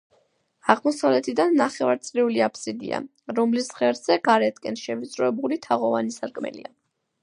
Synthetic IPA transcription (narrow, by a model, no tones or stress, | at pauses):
aʁmɔsavlɛt̪ʰid̪anːaχɛvaɾt̪sʼɾiuliapʰsid̪ḭa̰ | ɾɔmlisʁɛɾz̥ɛɡ̥aɾɛt̪ʰkʼɛnʃɛvit̪sʼɾɔɛbulit̪ʰaʁɔvanisaɾkʼmɛ̰lḭa